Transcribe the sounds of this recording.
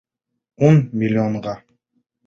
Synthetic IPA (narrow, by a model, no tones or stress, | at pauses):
onmʲɪlʲːoɴɢɑ